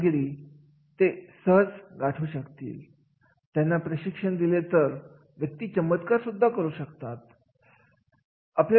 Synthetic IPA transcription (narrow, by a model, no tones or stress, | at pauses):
ɡɾiː | t̪esəɦt͡sɡaʈʰuːɕəkt̪ḭːl | t̪janːapɾəɕikʂəɳd̪ilet̪əɾ | ʋjək̚t̪iːt͡ɕəmət̪kaɾsud̪ʱːakəɾuːɕəkt̪at̪̚ | aplja